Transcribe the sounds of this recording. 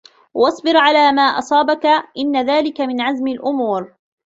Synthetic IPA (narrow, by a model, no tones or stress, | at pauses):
wɑsˤbɪɾʕalaːmaːʔɑsˤɑːbakaʔɪnːaðaːlɪkamɪnʕazmalʔʊmuːɾ